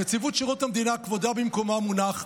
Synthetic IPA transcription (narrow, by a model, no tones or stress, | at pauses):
et͡sivut̪ʃiʁot̪hamd̪inakvo̞d̪abimko̞mamunaχ